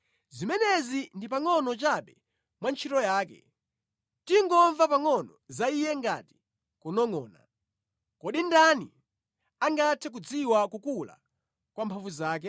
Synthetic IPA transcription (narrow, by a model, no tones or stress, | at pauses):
zimɛnɛzindipaŋɔnɔt͡ʃaɓɛ | mwant͡ʃʰitɔjaːkɛ̰ | tiŋɡɔɱvapaŋɔnɔzaijɛŋɡa̰ti̥ | kunɔŋɔːna̰ | kɔɗindanḭ | aŋɡatʰɛk̬ud͡ziwakukula̰ | kwampʰaɱvuzaːk̬ɛ